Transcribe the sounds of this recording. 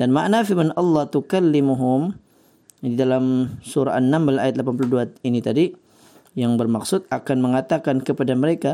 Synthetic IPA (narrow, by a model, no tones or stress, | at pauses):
d̥anmaʔnafibanɑlːɑht̪ukalːimuɦʊm | didalamsuɾa̰ʔanːambəlajat̪lapanp̬uluhduainit̪adi | jaŋbərmaksʊt̪̚akanməŋat̪akankəpadaməɾeka